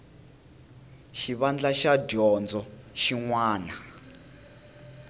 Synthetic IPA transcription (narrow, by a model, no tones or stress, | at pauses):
ʃiβand͡ɮaʃadɔnd͡zɔʃiŋwaːna